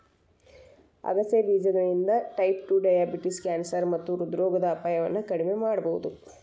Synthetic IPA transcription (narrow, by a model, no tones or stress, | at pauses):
ɐ̰ɡɐseʋiːd͡ʒɐnɐɭind̪ɐʈɐjp̚ʈuɖɐjaːbiʈiskaːnsɐɾmɐt̪ːuɾud̪ɾɔːɡɐd̪ɐːpaːjɐʋɐ̰nːɐkɐɽime̞maːɽɐbɐɦud̪u